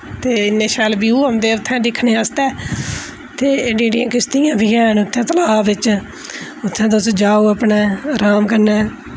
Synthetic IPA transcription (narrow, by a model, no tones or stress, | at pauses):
t̪eːɪnːẽːʃɛːlbiːuːəmd̪eːʊt̪ʰːɛ̃ːd̪ɪkʰːneːəst̪ɛː | t̪eːɖiːɖijãːkɪst̪ijãːbʱiːɛːnʊt̪ʰːɛ̃ːt̪əlaːbɪt͡ʃ | ʊt̪ʰːɛ̃ːd̪ʊsd͡ʒaːoːəpɳɛːɾaːmkəɾnɛː